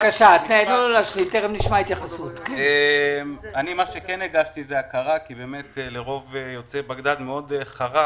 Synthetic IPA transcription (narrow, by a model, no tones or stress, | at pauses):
kaʃat̪needoolaʃχit̪eʁemniʃmait̪jaχasut̪kenemanimaʃekeneɡaʃtizeakaʁakibemet̪leʁo̞vejo̞t͡sebaɡd̪admeo̞deχaʁa